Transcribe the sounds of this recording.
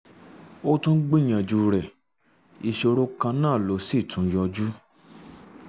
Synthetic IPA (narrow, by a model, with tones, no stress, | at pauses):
o˦tũ˦n̩˦ɡ͡bĩ˦˨j̃ã˨d͡ʒu˧ɾɛ˨ | i˧˨ʃo˧ɾo˧˦kã˧nã˦˨lo˨˦si˦˨tʰũ˨˦jɔ˧d͡ʒu˦